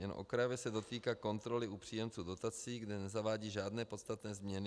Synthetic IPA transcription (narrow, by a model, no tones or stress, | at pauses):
ɲɛn̰ʔokɾavɛsɛdo̞t̪iːkaːko̞nt̪ɾo̞lɪupr̥iːjɛmt͡suːdo̞t̪at͡siːɡdɛnɛzavaːɟiːʒaːdnɛːpo̞t̪st̪at̪nɛːzmɲɛnɪ